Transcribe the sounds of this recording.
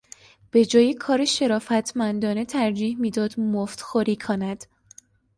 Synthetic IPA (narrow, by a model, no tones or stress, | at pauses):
b̥e̞d͡ʒɒːjekʰɒːɾeʃe̞ɾɒːfæt̪ʰmænd̪ɒːne̞t̪ʰæɾd͡ʒiːhmiːd̪ɒːd̪̥moft̪xoɾiːkʰonæd̪̥